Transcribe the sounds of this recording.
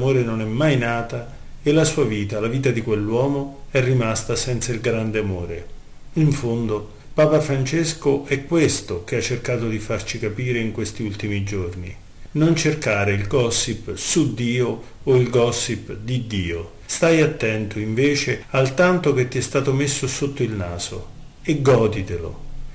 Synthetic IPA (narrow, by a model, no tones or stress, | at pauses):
moːɾenonɛmːajnaːt̪a | elasuːaviːt̪alaviːt̪ad̪ikwelːwɔːmoɛrːimast̪asɛnt̪sailɡɾand̪eamoːɾe | iɱfond̪o | paːpafɾant͡ʃeskoʔɛkːwest̪okeat͡ʃːerkaːt̪od̪ifart͡ʃikapiːɾeiŋkwest̪iult̪imid͡ʒorni | nont͡ʃerkaːɾeilɡɔsipsud̪ːiːo | oilɡɔsipd̪id̪iːo | st̪ajat̪ːɛnt̪ʰoiɱveːt͡ʃealt̪ant̪ok̟et̪ːiɛst̪aːt̪omesːosot̪ːoilnaːz̥o̰ | eɡːɔːd̪it̪elo̰